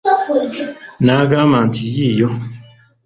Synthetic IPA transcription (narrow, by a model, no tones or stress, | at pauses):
naɡamãntʰijejɔ